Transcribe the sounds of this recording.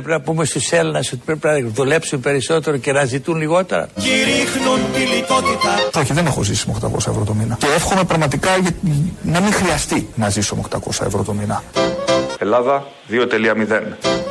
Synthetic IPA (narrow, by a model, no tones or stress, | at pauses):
ɾepinɐpumest̪use̞lenɐso̞t̪i̥pɾepinɐðule̞psunpe̞ɾiso̞t̪e̞ɾo̞ce̞nɐzit̪unliɣo̞t̪e̞̰ɾɐ̰ciɾixnunt̪ilik̪o̞t̪it̪ɐo̞çiðe̞ne̞xo̞zisimeo̞kt̪ɐ̰ko̞̰sɐevɾo̞t̪o̞minɐcee̞fxome̞pɾɐɣmɐt̪ikɐʝɐnɐmixɾiɐst̪inɐzisomokt̪ɐko̞sɐḛvɾo̞t̪o̞minɐ | elɐðɐ | ðio̞t̪e̞liɐmiðe̞n